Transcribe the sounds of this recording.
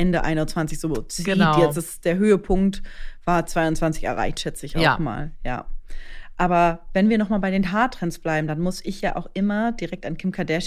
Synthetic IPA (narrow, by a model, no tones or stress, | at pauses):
ʔɛndəʔa̰ɪnʊntt͡sv̥ant͡sɪçz̥oːt͡sːiːjɛsd̥asd̥eːɐɦøːəpʰʊŋk̚tv̥aːɐt͡sv̥aɪʊntt͡sv̥ant͡sɪçɛ̰ʁa̰ɪçtʃɛt͡səɪça̰ʊma̰ːlja̰ː | ʔaːbɐvɛnviːɐnɔχmaːlbaɪɾeːnɦaːɐtʁ̥ɛnsb̥laɪbm̩danmʊsɪçjaːʔa̰ʊxʔɪmɐd̥iʁɛk̚tankʰɪmkʰadɛʃ